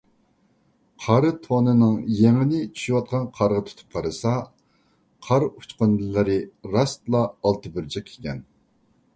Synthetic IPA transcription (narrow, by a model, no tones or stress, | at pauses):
qʰɑɾɨt̪ʰonɨnɨŋjeŋɪnɪt͡ʃʰy̥ʃuwɑt̪̚qʰɑnqʰɑɾʁɑt̪ʰu̥t̪ʰu̥p̚qʰɑɾɨsɑ | qʰɑɾu̥t͡ʃqond̪lɨɾɨɾɑst̪lˠɑːlˠt̪ʰɨbyɾt͡ʃʰɛkʲʰe̥kʲɛn